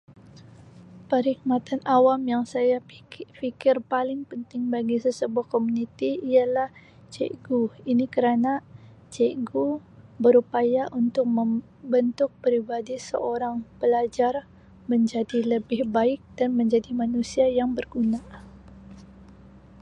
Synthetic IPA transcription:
pəɾik̚mat̪anʔawamjaŋsajafikɪrpalɪŋpənt̪ɪŋbaɡisəsəbuahkomunit̪iialah | t͡ʃḛɡuinikəɾana | t͡ʃeɡu | bəɾupajaʔunt̪ʊk̚məm | bənt̪ʊk̚pəɾibadisə̰ʔoɾaŋbəlad͡ʒar | məɲd͡ʒadiləbɪhbaɪk̚d̥anməɲd͡ʒadimanusiajaŋbərɡuna

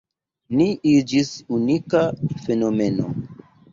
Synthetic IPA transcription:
niʔid͡ʒisunikafe̞no̞me̞no̰

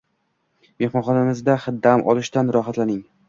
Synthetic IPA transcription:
me̞hmɒnχɒnamɪzd̪aχɨd̪ːamʔɒ̰lˠɪʃt̪anɾɒɦat̪lanɪŋ

